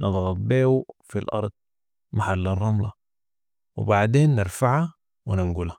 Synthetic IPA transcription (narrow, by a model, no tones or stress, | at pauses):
nʔɨd̪ˤɣɑbeːwufilʔɑ̰ɾˤd̪̥̚ˤ | maħalːɑrˤːɑmlɑ | wḭbaʕd̪eːnːɪɾfaʕa | winɪŋɡula